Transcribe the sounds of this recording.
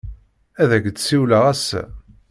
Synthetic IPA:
æðæɡd̪siwləʁæsæ̰

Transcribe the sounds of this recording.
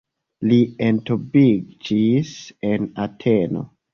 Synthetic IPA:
lientobid͡ʒisenatʰeno̞̰

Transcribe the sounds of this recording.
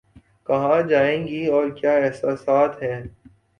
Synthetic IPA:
kɐɦãd͡ʒaːẽːŋɡiɔːɾkjaːɛɦsaːsaːt̪ɦɛː

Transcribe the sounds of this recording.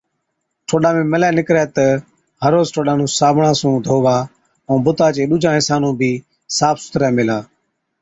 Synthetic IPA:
ʈʰoːɗãːmẽːməlɛːnɪkɾɛːt̪ə | ɦəɾoːzʈʰoːɗãːnũːsaːbʱɳãːsũːd̪ʱoːʋaː | õːbʊt̪aːt͡ʃeːɗʊːd͡ʒʱãːɪ̃saːnũːbʱiː | saːpsʊ̥t̪ɾɛːmɪlaː

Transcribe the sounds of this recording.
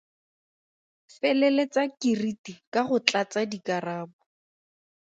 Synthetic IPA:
fɛlɛlet͡sakiritikaχʊt͡ɬʼat͡sadikaraːbʊ

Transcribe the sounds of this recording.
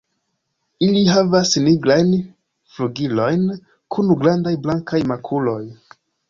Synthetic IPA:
iliɦavasniɡɾajn | fluɡilo̞jn | kʰunɡɾandajblaŋkajmakʰulo̞j

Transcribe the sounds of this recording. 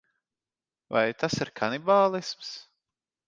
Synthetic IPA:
va̰jt̪asiɾkʰanibaːlˠisms

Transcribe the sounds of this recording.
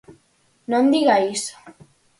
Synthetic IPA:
nond̪iɣais

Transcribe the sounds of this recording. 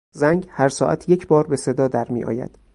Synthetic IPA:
zæŋɡɟhæɾsɒːʔæ̰t̪ʰje̞cʰbɒːɾbe̞se̞d̪ɒːd̪æɾmḭːʔɒ̰ːjæ̰d̪̥

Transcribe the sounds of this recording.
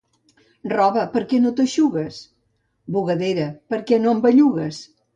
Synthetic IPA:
rɔβəpəɾkɛnot̪əʃuɣəs | buɣəðeɾəpəɾkɛnoəmbəʎuɣəs

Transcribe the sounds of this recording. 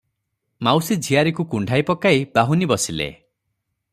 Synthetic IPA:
mawsid͡ʒʱiaɾikukuɳɖʱajpɔkaib̥aɦunibɔsilḛ

